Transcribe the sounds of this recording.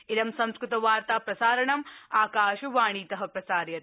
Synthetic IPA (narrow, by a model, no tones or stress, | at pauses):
ɪɾɐmsɐ̃mskɾɪt̪ɐʋaːɾt̪aːpɾɐsaːɾɐɳɐmaːkaːʃɐʋaːɳ̃iːt̪ɐɦɐ̆pɾɐsaːɾjɐt̪